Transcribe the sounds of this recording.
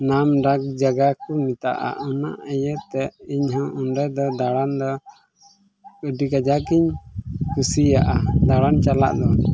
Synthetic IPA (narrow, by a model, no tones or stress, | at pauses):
namɖak̚d͡ʒaɡakumit̪a̰ʔa̰una̰ʔɛjət̪ɛiɲɦɔ̃ʔunɖɛd̪ɔd̪aɽand̪ɔ | kəɖikad͡ʒakiɲkusijaʔad̪aɽant͡ʃala̰ʔd̪ɔ